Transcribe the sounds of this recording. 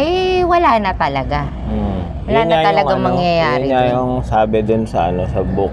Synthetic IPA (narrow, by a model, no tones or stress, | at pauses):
ɐjwɐlaːnɐt̪ɐlɐɡa | wɐlaːɲɐajt̪ɐlɐaŋmɐŋjɐjaːɾɪajʊŋsaːbɪd̪ʊnsɐʔɐnosɐbʊk